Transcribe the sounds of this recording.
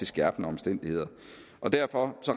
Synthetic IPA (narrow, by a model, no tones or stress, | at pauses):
esɡ̥æɐb̥nəɒ̽msd̥en̰d̥ihe̝ð̰ˠɐ | ʔɒ̽d̥æɐfɒ̽sɒ̽ʁ